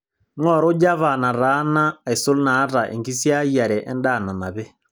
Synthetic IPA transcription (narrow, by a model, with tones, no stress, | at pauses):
ŋɔ˦˨ɾo˦d͡ʒa˦βa˨na˨ɾa˨˦na˦˨e˨so˦lnaː˨˦ɾa˨ʔḛ˨ŋɡi˦sja˦a˨ɾɛ˨ʔɛ˦nda˦˨na˨na˨βɛ˦